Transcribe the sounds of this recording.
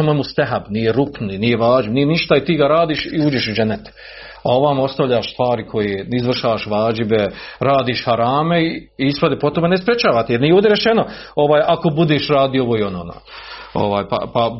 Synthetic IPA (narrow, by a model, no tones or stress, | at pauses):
amojmust̪aɦabnijeɾuknuninije̞ʋaːd͡ʒibnijeniʃt̪ait̪iːɡaɾaːd̪iːʃiuːd͡ʒeʃud͡ʒenːet̪ | a̰o̞ʋamo̞st̪aʋʎaːʃst̪ʋaːɾikʰo̞jeːizʋr̩ʃaːaʃʋaːd͡ʒibeɾaːd̪iːʃhaɾaːme̞iispod̪epot̪omenespɾʲet͡ʃaːʋat̪ijeɾnijeoːd̪ʲeɾet͡ʃeno̞oʋaːjʔako̞bud̪eːʃɾaːd̪ijooʋoːio̞nono̰ːo̰ʋaːjpa̰pa